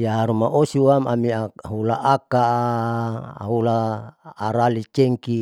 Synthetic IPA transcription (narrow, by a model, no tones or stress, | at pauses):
jaɾumaʔosiwamamiaaɦulaʔaka | ɦulaː | ɾalit͡ʃeŋki